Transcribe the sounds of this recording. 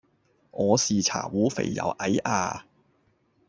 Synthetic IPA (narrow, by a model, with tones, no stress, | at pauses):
ŋɔː˨˧siː˨t͡sʰa̰ː˨˩wuː˨˥fe˨˩jːɐ̰˨˧wʔɐ˨˥jʔaː˧